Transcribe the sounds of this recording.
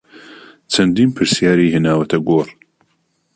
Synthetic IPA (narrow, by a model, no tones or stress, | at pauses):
t͡ʃʰɐnd̪iːnpʰɨɾsijaːɾiːɦeːnaːwɐt̪ʰɐɡoːr